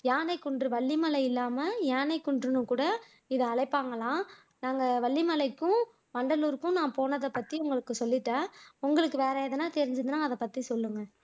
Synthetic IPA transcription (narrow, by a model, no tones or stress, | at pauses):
jaːnɐɪkːʊɳɖrɯʋɐɭːimɐlɐɪɪlːaːmɐjaːnɐɪkːʊɳɖɾɯnɯ̃kuːɽɐ | ɪðɯɐɭɐɪpːaːŋɡɐlãː | naːŋɡɐʋɐɭːimɐlɐɪkːʊ̃ | ʋɐɳɖɐluːɾɯkːʊ̃nãːpoːnɐðɐpɐt̪ːiʊŋɡɐɭɯkːɯsɔlːɪʈːãːʊŋɡɐɭɯkːɯʋeːɾɐɛðɐnãːt̪ɛɾɪɲd͡ʒɯðɯnaːɐðɐpɐt̪ːisɔlːɯŋɡɐ